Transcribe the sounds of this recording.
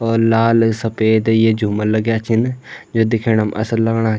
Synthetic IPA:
ɔːlaːlsəpeːd̪jeːd͡ʒumələɡjaːt͡ʃʰɪnd͡ʒoːd̪ɪkʰeːɽəmə̰səlləɡɽ̃aː

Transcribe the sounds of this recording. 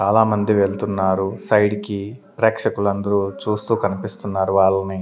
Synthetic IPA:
t͡ʃaːlaːmɐnd̪iʋe̞ːɭt̪unːaːɾusɐjɽiki | pɾɛːkʂɐkulɐnd̪ɐɾut͡ʃuːst̪uːkɐnipist̪unːaːɾuʋaːɭːɐni

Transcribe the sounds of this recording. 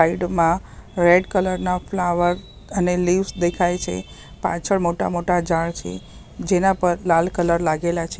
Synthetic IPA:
aiɖmãɾeɖkələɾnaflaʋəɾ | əneliʋsd̪ekʰajt͡ʃʰḛ | pa̰t͡ʃʰəɭmoʈa̰moʈad͡ʒaɭt͡ʃʰḛ | d͡ʒenapəɾlalkələɾlaɡelat͡ʃʰe

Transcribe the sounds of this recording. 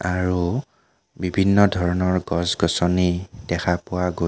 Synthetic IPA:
aɹu | bibʱinːɔdʱɔɹɔnɔɹɡɔzɡɔsɔnid̥ɛxʰapʊwaɡo

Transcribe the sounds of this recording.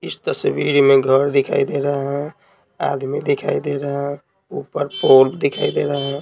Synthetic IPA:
ist̪əswiɾmeɡʱəɾd̪ikʰa̰id̪eɾəɦɛ̃ | a̰d̪mid̪ikʰa̰id̪eɾəɦɛ̃ | upəɾpolbd̪ikʰaid̪eɾəɦə̃

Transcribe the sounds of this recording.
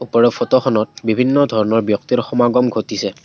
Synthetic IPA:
upɔɹɔpʰɔtɔxɔnɔt̚bibʱinːɔdʱɔɹɔnɔɹbjɔk̚tiɹxɔmaɡɔmɡʱotisɛ

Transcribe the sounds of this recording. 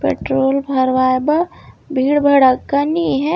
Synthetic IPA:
pḛːʈɾoːlbʱəɾʋaːjbəbʱiːɽbʱɐɽəkːaniɦɛ

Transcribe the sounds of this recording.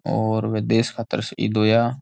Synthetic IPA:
ɔːɾʋed̪eːskʰaːt̪ə̰ɾsḭːd̪oːjaː

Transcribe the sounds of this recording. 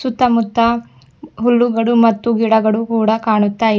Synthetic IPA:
sut̪ːɐmut̪ːɐ | ɦulːuɡɐɭumɐt̪ːuɡiɽɐɡɐɭukuːɽɐkaːɳut̪ːaːj

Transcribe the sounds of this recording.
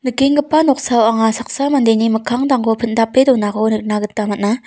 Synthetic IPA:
nɯkeŋɡɯpːanɔk̚sawaŋasak̚samandenimɯkʰaŋdaŋɡopʰɯndapːedɔnakonɯk̚naɡɯtːamaʔna

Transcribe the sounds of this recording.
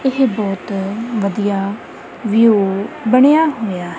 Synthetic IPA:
ɪɦbɔːt̪ʋəd̪ijaː | ʋijoːbəɽ̃ejaːɦoːjaːɦ

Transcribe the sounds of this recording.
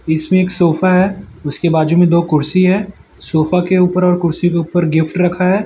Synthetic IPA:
ɪsmẽeːksoːfaɦɛːʊskebaːd͡ʒomẽd̪oːkʊɾsiɦɛ̃ː | soːfakeuːpəɾɔːɾkʊɾsikeuːpəɾɡɪfʈɾɐkʰaɦɛː

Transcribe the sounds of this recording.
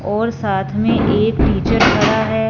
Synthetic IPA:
ɔːɾsaːt̪ʰmẽʔeːkʈiːt͡ʃəɾbʰʱəɾaɦɛː

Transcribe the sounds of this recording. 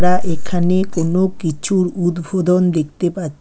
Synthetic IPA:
ɾaʔekʰanekonokit͡ɕʰuɾud̪bʱod̪ond̪ek̚ʰt̪epaɾ

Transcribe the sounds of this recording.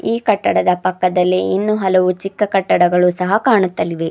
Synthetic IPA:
iːkɐʈːɐɽɐd̪ɐpɐkːɐd̪ɐlːiinːuɦɐlɐʋut͡ʃikːɐkɐʈːɐɽɐɡɐɭusɐɦɐkaːɳut̪ːɐliʋe̞

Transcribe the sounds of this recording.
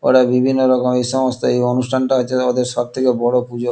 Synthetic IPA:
o̰ʈabibʱinːoɾɔkomejʃɔmost̪oejonusʈʰanʈaɦoeod̪eɾʃɔb̚t̪ʰekebɔɽopud͡ʑo

